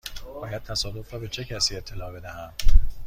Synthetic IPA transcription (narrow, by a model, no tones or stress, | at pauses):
bɒːjæd̪̚t̪ʰæsɒːd̪ofrɒːbe̞t͡ʃʰe̞cʰæsiːe̞t̪ʰːe̞lɒːbe̞d̪æhænd̪